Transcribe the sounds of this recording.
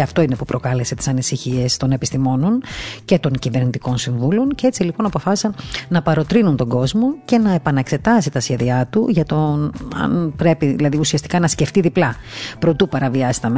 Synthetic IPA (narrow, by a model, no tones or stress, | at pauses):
ɐft̪o̞ine̞pupɾo̞kɐle̞se̞t̪i̥sɐnisiçie̞st̪o̞ne̞pist̪imo̞no̞nce̞t̪o̞ŋcive̞ɾnit̪iko̞nsiɱvulo̞ncee̞t͡silipo̞nɐpo̞fɐsi̥sɐnnɐpɐɾo̞t̪ɾinunt̪o̞ɡo̞zmo̞ce̞nɐe̞pɐnɐekse̞t̪ɐsit̪ɐsçe̞ðiɐt̪uʝɐt̪o̞ɐ̰npɾe̞piðḭlɐðiusiɐst̪ikɐnɐsce̞ft̪iðiplɐ | pɾot̪upɐɾɐviɐsi̥t̪ɐm